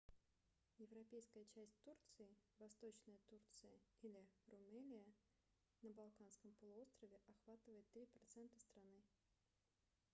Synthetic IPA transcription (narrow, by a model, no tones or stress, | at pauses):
jɪvɾɐpʲejskəjət͡ɕæsʲt̚ʲt̪urt̪sɨɪvɐst̪o̞t͡ɕnəjət̪urt̪sɨjəilʲɪrʊmɛlʲɪjə | nəbalˠkanskəmpəlˠʊo̞st̪ɾəvʲɪʔɐxvat̪ɨvəjɪt̪ːɾʲipɾɐt̪sɛnt̪əst̪ɾɐnɨ